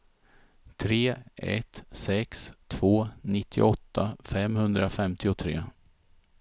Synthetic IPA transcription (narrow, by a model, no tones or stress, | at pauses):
t̪ʰɾeːɛ̰t̪sɛkst̪ʰv̥oːnɪt̪ʰːɪʔɔt̪ːafɛmhɵnd̪ɾafɛmt̪ɪʊt̪ʰɾḛː